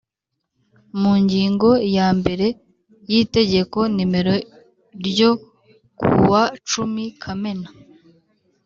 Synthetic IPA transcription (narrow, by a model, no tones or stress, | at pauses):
muɲɟiːŋɡo̞jaːmbe̞ɾe̞ | jite̞ɟe̞ko̞nime̞ɾo̞ | ɾjo | kṵwat͡ʃumikʰame̞na